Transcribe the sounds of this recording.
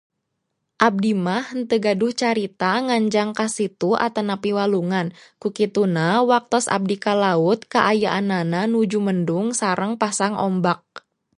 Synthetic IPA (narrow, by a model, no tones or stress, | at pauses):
ʔab̚dimahənt̪əɡadʊht͡ʃaɾit̪aŋaɲd͡ʒaŋkasit̪ua̰t̪anapiwaluŋankukit̪unawak̚t̪ɔsa̰b̚dikalaʊt̪̚kaʔajaʔanananud͡ʒuməndʊŋsaɾəŋpasaŋʔɔ̰mbak̚